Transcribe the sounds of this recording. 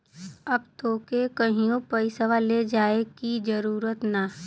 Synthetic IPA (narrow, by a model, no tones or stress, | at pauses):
ɐb̚t̪oːkekəɦĩõpəɪsəʋaled͡ʒaːekid͡ʒəɾuːɾət̪na